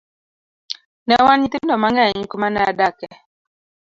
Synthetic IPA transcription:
nɛwanɲitendɔmaŋɡɛɲikumanaa̰dakɛ

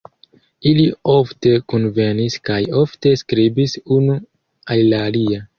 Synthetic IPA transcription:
ilio̞fte̞konve̞niskajo̞fte̞skɾibisunu | allaːlia

